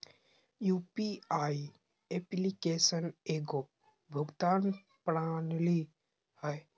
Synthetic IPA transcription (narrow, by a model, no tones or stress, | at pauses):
juːpiaːi | eplikeːsəneːɡo | bʱəɡt̪aːn | pɾaːnli | həj